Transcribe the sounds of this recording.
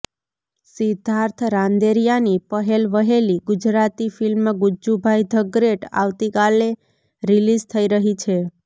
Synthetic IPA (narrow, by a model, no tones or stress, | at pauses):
sid̪ʱaɾt̪ʰɾãnd̪eɾijanipəɦelʋəɦeliɡud͡ʒɾat̪ifilmaɡud͡ʒubʱajd̪ʱəɡɾeʈa̰ʋt̪ikale | ɾilizt̪ʰəiɾəɦit͡ʃʰe